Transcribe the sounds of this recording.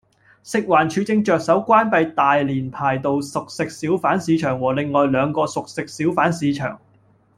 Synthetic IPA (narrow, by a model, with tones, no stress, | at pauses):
sɪ˨k̚waː˨˩nt͡ʃʰyː˨˧t͡sɪ˧ŋt͡ʃœː˨k̚sɐ˨˥wkʷaː˥npɐ˧jt̪aː˨jliː˨˩npʰaː˨˩jt̪o˨wsʊ˨k̚sɪ˨k̚siː˨˥wfaː˨˥nsiː˨˧t͡ʃʰœː˨˩ŋwɔː˨˩lɪ˨ŋːɔː˨jlœː˨˧ŋkɔː˧sʊ˨k̚sɪ˨k̚siː˨˥wfaː˨˥nsiː˨˧t͡ʃʰœ̰ː˨˩ŋ